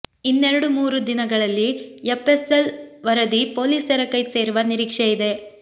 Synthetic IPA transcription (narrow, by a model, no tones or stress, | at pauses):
inːeɾɐɽumuːɾud̪inɐɡɐɭɐlːiepeselʋɐɾɐd̪ipo̞ːliːsɐɾɐkɐjse̞ːɾuʋɐniɾiːkʂeid̪e̞